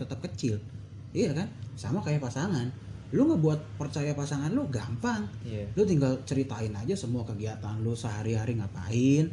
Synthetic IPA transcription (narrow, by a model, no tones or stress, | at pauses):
t̪ət̪əp̚kət͡ʃɪl | ijakansamakajapasaŋan | luŋɡabuat̪̚pərt͡ʃajapasaŋanlʊɡampaŋlʊt̪iŋɡalt͡ʃəɾit̪aɪnad͡ʒasəmuakəɡiat̪anlʊsəɦaɾiɦaɾiŋapa̰ɪn